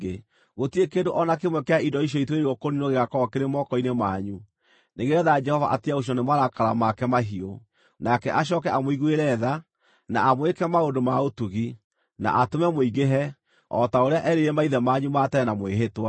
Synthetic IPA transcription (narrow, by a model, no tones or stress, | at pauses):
e | ɣotiekeːndoʔɔnakemwɛkɛaidɔiʃ̬jɔitweɾɔkoninoɣeɣakɔɔkeɾemɔkɔinemaɲu | neɣeɾɛðaad͡ʒɛhɔva̰ʔatiaoʃ̬iɔnemwaɾakaɾamakɛmaɦio | nakɛʔaɕ̬ɔːkɛʔamoiɣueɾɛða | na̰amwekɛmaondomaotuɣi | na̰ʔatomɛmoiɣɡeɦɛ | ɔ̰taoɾeaʔɛɾeɾɛmaiðɛmaɲumatɛɛnamweɦetwa